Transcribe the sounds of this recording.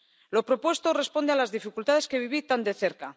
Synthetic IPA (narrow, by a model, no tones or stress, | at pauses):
lo̞pɾo̞pwe̞st̪o̞re̞spo̞nd̪e̞alazðifikult̪að̞eske̞βiβit̪and̪e̞θe̞ɾka